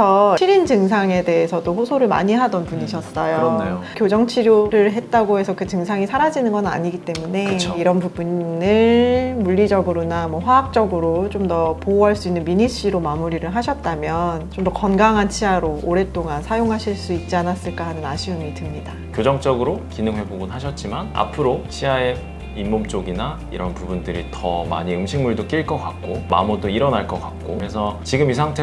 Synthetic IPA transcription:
sʰʌiɾind͡ʑɯŋs̬ʰaŋe̞de̞ɦesʰʌdoɸosʰoɾɯɭma̰ɲiɦadʌnpuɲiɕʰʌs͈ʌjoekjod͡ʑʌŋt͡ɕʰiɾjoɾɯɭɦe̞t̚t͈aɡoɦe̞sʰʌkɯt͡ɕɯŋsʰaŋisʰaɾad͡ʑinɯnɡʌnɯna̰ɲiɡit͈e̞mune̞iɾʌnpubunnɯɭmuʎːid͡ʑʌɡɯɾonamwʌɸwaak̚t͡ɕ͈ʌɡɯɾot͡ɕomdʌpouɦaɭs͈uinːɯnmiɲiɕ͈iɾomamuɾiɾɯɭɦaɕʰʌt̚t͈amjʌnt͡ɕomdʌkʌnɡaŋɦant͡ɕʰiaɾoʔoɾe̞t͈oŋansʰajoŋɦaɕʰiɭs͈uit̚t͡ɕ͈ianas͈ɯɭk͈aɦanɯnaɕʰiɯmitɯmɲida | kjod͡ʑʌŋt͡ɕ͈ʌɡɯɾokinɯŋwe̞boɡunɦaɕʰʌt̚t͡ɕ͈imana̰pʰɯɾoɕʰiae | imːomt͡ɕ͈oɡina | ḭɾʌnpubundɯɾḭtʰʌ̰ma̰ɲiɯmɕʰiŋmuɭdok͈iɭk͈ʌk͈ak̚k͈oma̰mudoiɾʌnaɭk͈ʌk͈ak̚k͈oesʰʌt͡ɕiɡɯmisʰaŋtʰe

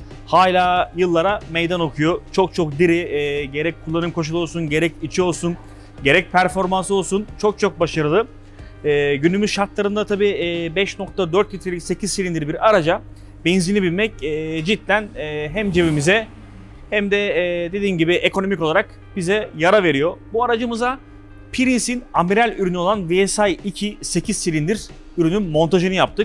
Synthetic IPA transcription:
haːlʲaːjɯlˠːaɾamejd̪ano̞kʰujo̞t͡ʃʰo̞k̚t͡ʃʰo̞k̚d̪iɾiɟe̞ɾɛc̚kʰːulˠːanɯmkʰo̞ʃ̬ulˠao̞lˠs̬unɟe̞ɾɛcit͡ʃʰio̞lˠsun | ɟe̞ɾɛc̚pʰæɾfo̞ɾmanso̞lˠsunt͡ʃʰo̞k̚t͡ʃʰo̞k̚baʃaɾɯlˠɯ | ɛːɟynymyzʃaɾt̪lˠaɾɯnd̪at̪ʰabiːbɛʃno̞k̚t̪ʰad̪øɾt̪lʲit̪ʰɾelʲicse̞cʰiz̥siɾʲind̪iɾbiɾaɾad͡ʒa | benzinʲibilʲmɛcɛd͡ʒit̪lʲænːɦæmd͡ʒevimizɛ | hæmd̪ɛd̪ed̪iːmɟibiʔe̞kʰo̞no̞micoaɾak | bizɛjaɾave̞ɾijo̞buaɾad͡ʒɯmɯza | pʰiɾinsinamiɾælʲyɾynyo̞lˠanviɛsajicʰise̞cʰiz̥silʲind̪iɾ̥ | yɾynynmo̞nt̪ʰaʒɯnɯjap̚t̪ʰɯk̚

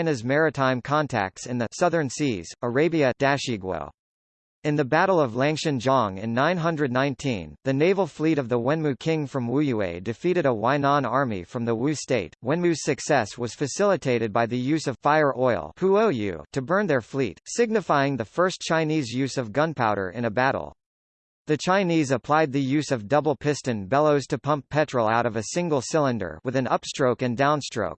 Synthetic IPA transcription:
ɪ̃nɨzmɛɹɨtʰãɪ̃mkʰɑ̃ntʰæ̰k̚tsɨ̃nðɨsʌðə̃˞nsiz̥ə˞eɪbiɨd̥æʃiɡwo̰ʊ | ɨ̃nðɨbæɾl̩ˠʌvlæ̃ŋkʃɨ̃nd͡ʒɑ̃ŋɪ̰̃nːãɪ̃nɦʌ̃ndɹɨdⁿnãɪ̃ntʰḭ̃nðɨneɪvl̩ˠfliɾʌvðəwɛ̃nmʉkʰɪ̃ŋfɹʌ̃mwujʉḛɪdɨfiɾɨɾəwãɪnɑ̃nɑɹmḭfɹʌ̃mðəwʉ̥steɪt̚wɛ̃nmʉz̥sɨksɛswʌz̥fɨsɪlˠətʰeɪɾɨd̚baɪðɨjʉzʌv̥faɪə˞ʔɔɪlˠhuoʊjʉ̰ɾɨbɜ̃˞nðə˞flḭtsɪɡ̚nɨfaɪɪ̃ŋðɨfɜ˞st͡ʃʰãɪ̃nizjʉzʌvɡʌ̃npʰaʊɾə̰˞ʔɨ̰̃ñɨbæɾl̩ˠ | ðɨt͡ʃʰãɪ̃nizəpʰl̥aɪd̪̚ðɨjʉzʌvdʌbl̩ˠpʰɪstɨ̃nbɛlˠoʊz̥tʰɨpʰʌ̃mppʰɛt͡ʃɹ̥l̩ˠa̰ʊɾʌvɨsɪ̃ŋɡl̩ˠsɪlˠə̃ndə̰˞wɨðɨ̃nʌpstɹ̥oʊkɨ̃ndãʊ̃nstɹ̥o̰ʊk̚

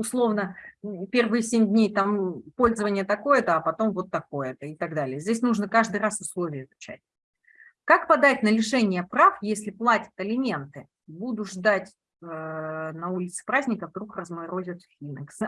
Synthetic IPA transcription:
ʊslˠo̞vnəpʲe̞rvɨjəsʲemʲdʲnʲejt̪ampo̞lʲzəvənʲɪjət̪ɐko̞jət̪əːpɐt̪o̞mvo̞t̪ːɐko̞jət̪əɪt̪ɐɡd̪alʲɪjəzʲdʲesʲnuʐnəkaʐd̪ɨrasʊslˠo̞vʲɪjəɪzʊt͡ɕæ̰t̚ʲ | kakpɐd̪atʲnəlʲɪʂɛnʲɪjəpɾafjesʲlʲɪplˠatʲə̥t̪ɐlʲɪmʲe̞nt̪ɨ | bud̪ʊʐd̪atʲ | ənɐulʲɪt̪sɨ̥pɾazʲnʲɪkəvd̪ɾukrəzməɪɾozʲɪt̪fʲilʲnʲɪks

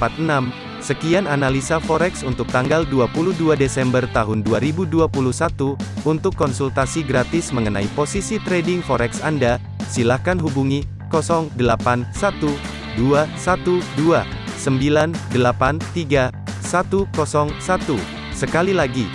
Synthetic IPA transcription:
pat̪̚ənam | səkiananalisafɔɾɛksunt̪ʊk̚t̪aŋɡalduapuluhduadesɛmbərt̪aɦʊnduaɾibuduapuluhsat̪uːnt̪ʊkːɔnsult̪asiɡɾat̪ɪsməŋəna̰iposisit̪ɾedɪŋfɔɾɛksanda | silahkanɦubuŋi | kɔsɔŋdəlapansat̪u | duasat̪udua | səmbilandəlapant̪iɡa | sat̪ukɔsɔŋsat̪u | səkalilaɡi

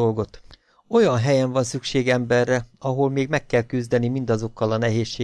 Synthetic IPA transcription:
o̞lɡo̞t̪ | o̞jɒnɦɛjɛɱvɒnsykʃeːɡɛmbɛrːɛɒɦolmeːɡmɛkːɛlkyzd̪ɛnimind̪ɒzo̞kːɒlɒnɛɦeːʃːeː

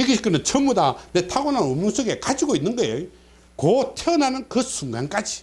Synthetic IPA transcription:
iɡiɕʰik͈ɯnɯnt͡ɕʰʌmudanetʰaɡonannomjoŋs͈ʰoɡe̞kad͡ʑiɡoinːɯnɡʌejo | kotʰeʌnanɯnkɯsʰuŋɡank͈ad͡ʑi

